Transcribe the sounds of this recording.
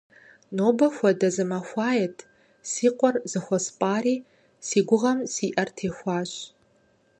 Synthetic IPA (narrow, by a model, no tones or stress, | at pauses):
noːbɐxʷɐdɐzɨmɐxʷɑːjɛtʰ | siːqʷʼɔrzɨxʷɔspʼaːɾiː | siːɡʷʊʁɐmsiːʔɐrtʰeːxʷɑːɕ